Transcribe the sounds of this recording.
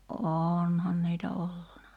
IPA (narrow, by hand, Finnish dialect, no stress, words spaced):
ʔonhɑn niːtæ olːunɑ